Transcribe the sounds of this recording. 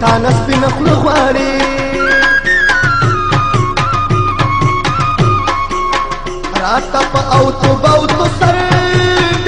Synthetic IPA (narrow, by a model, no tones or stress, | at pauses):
t̪ɑːnaspinaxnəɣwɑːɽi | ɾɑːt̪apəʔawt̪obawt̪osaɾ